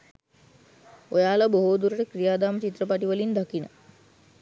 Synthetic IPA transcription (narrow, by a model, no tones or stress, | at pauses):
ojaːlaboɦoːd̪uɾəʈəkrijaːd̪aːmət͡ʃit̪rəpaʈiʋəlind̪akinə̰